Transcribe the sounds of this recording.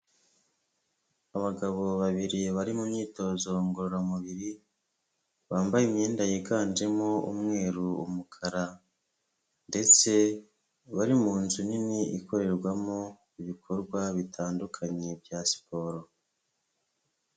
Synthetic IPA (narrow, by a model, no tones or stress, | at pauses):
aβaɡaβo̞βaβiɾiβaɾimumɲiːto̞ːzo̞ŋɡoɾoɾamuβiɾi | βaːmbajimɲeːndajiɡaːɲd͡ʒe̞moṵmŋe̞ːɾuṵmukʰaɾa | nde̞t͡se̞ | βaɾimuːnzuniniiko̞ɾe̞ɾɡwamo | iβikʰo̞ɾɡwaβitʰaːndukʰaɲebjasi̥po̞ɾo